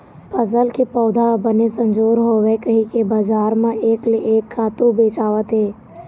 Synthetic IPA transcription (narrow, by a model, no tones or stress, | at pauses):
pəzəlkepɔːd̪ʱabənesə̃nd͡ʒoːɾɦoːʋekəɦĩkebad͡ʒaːɾmẽʔeːkleʔeːkʰːaːt̪ubeːt͡ʃaːʋət̪ɦeː